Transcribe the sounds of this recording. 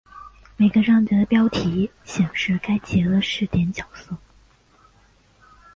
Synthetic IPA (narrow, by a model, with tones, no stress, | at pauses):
me˨˩ɪɡə˧ɻɑ˥˩ŋt͡ɕjɛ˧˥ə˧pjɑ˥ʊt̪ʰi˧˥ | ɕjɛ˨˩ŋʂɻ̩˥˩ka˥ɪt͡ɕjɛ˧˥d̪ə˧ʂɻ̩˥˩t̪jɛ˧˥nt͡ɕjɑ˨˩ʊsɤ˥˩